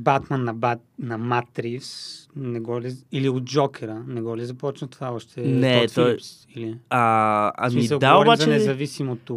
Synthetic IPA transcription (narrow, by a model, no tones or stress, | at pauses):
bat̪mənːɐbanɐmat̪ɾifsnɛɡɔliiliod̪̚d͡ʒɔkʰɛɾənɛɡɔlizɐpɔt͡ʃnət̪ovaɔʃt̪ʰɛnɛt̪fipsiliaa̰smmisəlˠɡd̪aoɔɾbazɐnɛzɐvisimot̪o